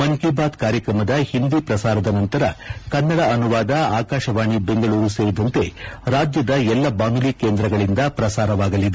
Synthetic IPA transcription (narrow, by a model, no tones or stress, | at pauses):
mɐnkeːbaːd̪kaːɾjɐkɾɐmɐd̪ɐhind̪ipɾɐsaːɾɐd̪ɐnɐnt̪ɐɾɐkɐnːɐɽɐɐnuʋaːd̪ɐaːkaːʃɐʋaːɳibe̞ŋɡɐɭuːɾuseːɾid̪ɐnt̪e̞ɾaːd͡ʒjɐd̪ɐɛlːɐbaːnuliːkːeːnd̪ɾɐɡɐɭind̪ɐpɾɐsaːɾɐʋaːɡɐlːid̪e